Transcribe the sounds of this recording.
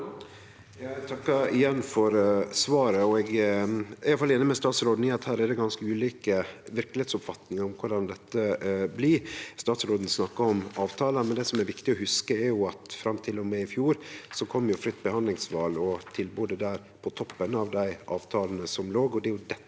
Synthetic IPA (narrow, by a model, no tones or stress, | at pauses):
jt̪ʰɑkːɑɪjɛnːfɔɾsʋɑːɾəɔɛɡ | æɪɑfɑlːeːnəmɛst̪ɑːt̪sɾoːd̪n̩ɪɑt̪hæːɾæd̪ɛɡɑnskəʉːliːkəʋɪɾklɪheːt̪sʊpfɑt̪nɪŋɑɾɔmkʰʊɖɑnd̪ɛt̪ːəblɪst̪ɑːt̪sɾoːd̪n̩snɑkːɑɔmɑːʋt̪ʰɑːləmɛnd̪ɛːsɔmɛɾʋɪkt̪ɪɔhʉskəɛɾjʊɑt̪fɾɑmt̪ʰɪlːɔmɛɪfjuːɾsɔkʰɔmːəjʊfɾʏt̪ːbəhɑnd̪lɪŋsʋɑːlɔt̪ʰɪlboːd̪əd̪æːɾ | pʰɔt̪ʰɔpːənɑʋd̪æɪʔɑ̰ːʋt̪ʰɑːlənəsɔmloːɡɔd̪ɛɾjʊd̪ɛ